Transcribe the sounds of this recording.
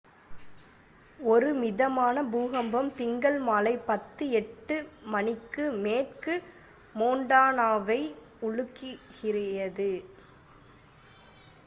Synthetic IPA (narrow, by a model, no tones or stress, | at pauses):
ɔɾɯmɪðɐmaːnɐbuːɣɐmbɐmt̪ɪŋɡɐɭmaːlɐɪpːɐt̪ːɯɛʈːɯ | mɐnɪkːɯmeːʈkɯ | moːɳɖaːnaːʋɐɪ | ʊɻɯkːɪɣɪrɪjɐðɯ